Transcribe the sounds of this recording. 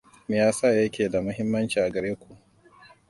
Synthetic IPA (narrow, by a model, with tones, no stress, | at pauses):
mɪ˨jaː˦sa˦˨jɐ˦kʲeː˨da˨mɐ˦ɦɪ˦mːɐ˦nt͡ʃiː˨ʔa˨ɡɐ˨ɽɾeː˦kʷu˨